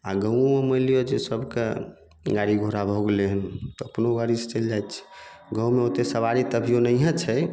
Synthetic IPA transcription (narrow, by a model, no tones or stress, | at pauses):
a̰ɡəw̃eməlijod͡ʒesəbʱkḛ | ɡaɽiɡʱoɾabʱoɡeleɦənt̪ɔəpnoɡaɽise̥t͡ʃəld͡ʒajt̪t͡ʃʰɛ̥ɡə̃w̃meot̪esəbaɾit̪əbʱijonəjɦə̃t͡ʃʰɛ